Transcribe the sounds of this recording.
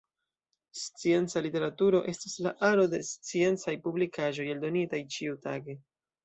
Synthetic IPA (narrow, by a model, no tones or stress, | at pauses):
st͡sie̞nt͡salite̞ɾatuɾo̞ʔe̞stislaʔaɾo̞de̞st͡sie̞nt͡sajpublikaʒo̞jaldo̞nitajt͡ʃiutaɡe̞